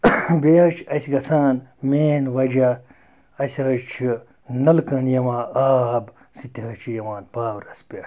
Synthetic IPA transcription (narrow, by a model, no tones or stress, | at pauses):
beɐt͡ʃʰɐsɡɐsaːnmeːnwɐd͡ʒɐ | ɐsʲɐt͡ʃʰi | nɐlkɐnjɐwãːaːb | sit̪iɦɐt͡ʃʰijɐwaːnbaːwɾɐspʲeː